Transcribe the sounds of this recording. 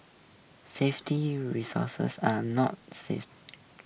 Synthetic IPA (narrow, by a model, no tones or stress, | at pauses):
seftiɹisɔ̰sə̰sanɔt̚sḛf